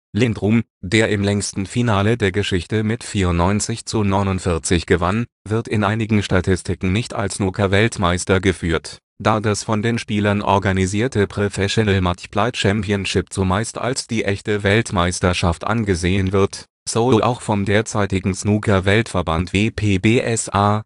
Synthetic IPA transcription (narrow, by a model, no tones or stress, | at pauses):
lɪndʁuːm | deːɐʔɪmlɛŋstn̩finaːlədeːɐɡəʃɪçtəmɪtfiːɐʊntnːɔʏnt͡sɪçt͡sunɔʏnʊntfɪɐt͡sɪçɡ̥əvanvɪɐtɪnʔaɪnɪɡŋ̩ʃtatʰɪstʰɪkŋ̩nɪçta̰lsnuːkʰɐvɛltmaɪstɐɡəfyːɐt | d̥aːdasfɔndeːnʃpiːlɐnʔɔ̰ɐɡaniziːɐtʰəpʁ̥ofɛʃonəlmat͡ʃplaɪt͡ʃɛmpiənʃɪpt͡sumaɪsta̰lsd̥iːʔɛçtəvɛltmaɪstɐʃaftʔa̰nɡəzeːəənvɪɐt | soʊloʔa̰ʊxfɔmdeːɐt͡saɪtɪɡŋ̩snuːkʰɐvɛltfɛɐbantv̥iːpʰeːbeːʔɛsʔaː